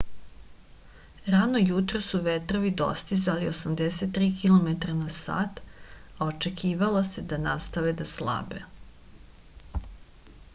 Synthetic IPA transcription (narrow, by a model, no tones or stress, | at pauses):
ɾanojut̪ɾosuʋet̪ɾoʋid̪o̞̰st̪izaliosamd̪eset̪̚ːɾiːkilˠomet̪ɾanasa̰ːt̪aot͡ʃe̞kʰiːʋalose̞d̪anast̪aʋed̪aslˠa̰be